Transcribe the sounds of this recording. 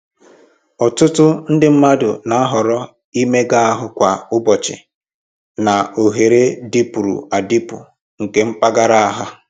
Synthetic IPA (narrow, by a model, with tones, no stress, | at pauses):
ɔ˨tʊ˦tʊ˦n̩˦dɪ˦m̩˦ma˦dʊ̰˨na˨˦a˦ɦɔ˨ɾɔ˦ | i˦me˦ɡa˦a˦ɦʊ˦kʷa˨ʊ˦bɔ˨t͡ʃɪ̰˨ | na˨o˨ɦe˨ɾe˦di˦pu˨ɾṵ˨a˨di˦pṵ˨ | ŋ̩˨ke˦m̩˦k͡pa˦ɡa˦ɾa˦a˦ɦʊ˦